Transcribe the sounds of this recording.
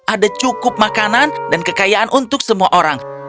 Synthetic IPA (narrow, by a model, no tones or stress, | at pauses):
ʔadat͡ʃukʊp̚makanandankəkajaʔanʔunt̪ʊk̚səmuaʔoɾaŋ